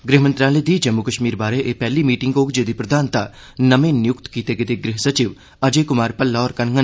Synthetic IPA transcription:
ɡɾɪɦmə̃nt̪ɾaːled̪ʱiːd͡ʒɐmːukəʃmiːɾbaːɾeʔepɛɦlimiːʈɪ̃ŋɡoːkd͡ʒed̪ipɾɐd̪ʱaːnt̪a | nɐmẽnjʊkt̪kiːt̪eɡɪt̪eɡɾɪɦsɐt͡ʃɪʋ | ɐd͡ʒekʊmaːɾpɐlːaɔːɾkɐnŋə

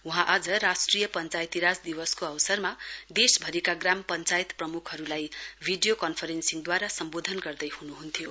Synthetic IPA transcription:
uɦãʔad͡zʌrasʈrijʌpʌnt͡sajt̪iɾad͡zd̪iwʌskoʌwsʌrmad̪esbʱʌɾikaɡrampʌnt͡sajt̪prʌmukʰɦʌɾulajbʱiɖijokʌnpʰʌɾensiŋd̪waɾasʌmbod̪ʱʌnɡʌrd̪ʌjhunuɦunt̪ʰijo

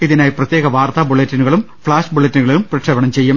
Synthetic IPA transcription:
iðinaːjiprɐt̪jeːɣɐʋaːrt̪aːbuɭetːinuɣɐɭum | fɭaːʂbuɭetːinuɣɐɭejumprɐʈʂɐʋɐɳɐmt͡ɕejːum

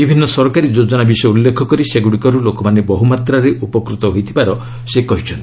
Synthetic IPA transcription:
bibʱinːɔsɔɾkaɾid͡ʒod͡ʒɔnabisɔjeulːekʰɔkɔɾiseɡuɽikɔɾulokɔmanebɔɦumat̪ɾaɾeʔupɔkɾut̪ɔɦojt̪ʰibaɾɔ | sekɔɦit͡ʃʰɔnt̪i

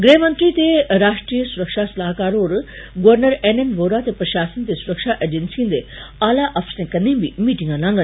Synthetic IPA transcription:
ɡɾeɦmə̃nt̪ɾit̪eɾaːʂʈɾiːjəsuɾəkʂasɐlaːɦkaːɾoːɾ | ɡoʋəɾnəɾenenʋoːɾat̪epɾɐʃaːsənt̪esuɾəkʂaʔeːd͡ʒensiũnd̪eaːlaʔɐfʰsnẽkɐnĩbʱimiːʈĩŋɡãlãːŋɡən

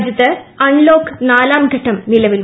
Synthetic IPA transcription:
d͡ʑjɐt̪ːɨɐɳloːkːnaːlaːmɡʱɐʈːɐmnilɐʋil

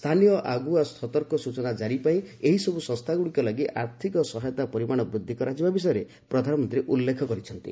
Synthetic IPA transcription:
st̪ʰanijɔʔaɡuasʰɔt̪ɔɾkɔsut͡ʃɔnad͡ʒaɾipaĩeɦisɔbusɔ̃st̪ʰaɡuɽikɔlaɡiʔaɾt̪ʰikɔsɔɦajɔt̪apɔɾimaɽ̃ɔbɾud̪ʱːikɔɾad͡ʒibabis̬ɔjɔɾe | pɾɔd̪ʱanɔmɔnt̪ɾieʔulːekʰɔkɔɾit͡ʃʰɔnt̪ḭ

